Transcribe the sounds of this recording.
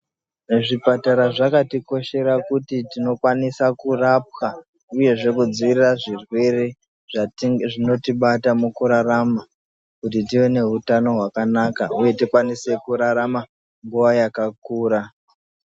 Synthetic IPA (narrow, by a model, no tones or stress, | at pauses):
neʐipataɾaʐakatiko̞ʃe̞ɾakutitino̞kwanisakurap̚xa | uje̞ʐe̞kud͡ziʋiriraʐirwe̞re | ʐino̞tiɓatamukuɾarama | kut̬it̬iwe̞ne̞ɦutano̞ɦwakanakauje̞tikwanise̞kuɾaɾama | ŋɡuʋajakakuːɾa